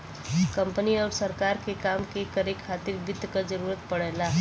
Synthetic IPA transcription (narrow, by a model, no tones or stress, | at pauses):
kɐ̃mpəniɔːɾsəɾkaːɾkekaːmkekəɾekʰaːt̪ɪɾbɪd̪ʱəkad͡ʒəɾuːɾət̪̚pəɽɛːlaː